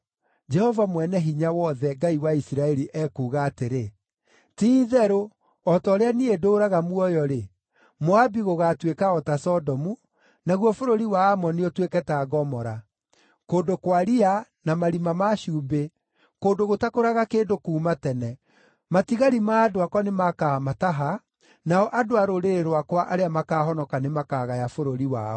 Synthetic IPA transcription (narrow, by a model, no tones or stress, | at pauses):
d͡ʒɛhɔvamwɛnɛɦiɲawɔðɛŋɡaiwaisiɾaɛɾiʔɛkuːɣaːteɾe | tiːðɛɾo | ɔtɔːɾeaniedoːɾaɣamwɔjɔɾe | moabiɣoɣatwekaɔtasɔdɔmu | naɣwɔfoɾoɾiwaːmɔniɔtwekɛtaːɡɔmɔɾa | koːdokwaɾianamaɾimamaɕuːmbe | koːndoɣotakoɾaɣakeːndokuːmatɛnɛ | matiɣaɾimaːdoakwanemakamataɦa | naɔʔadoaɾoɾeɾeɾowakwaʔaɾeamakaːɦɔnɔkanemakaɣajafoɾoɾiwa̰ɔ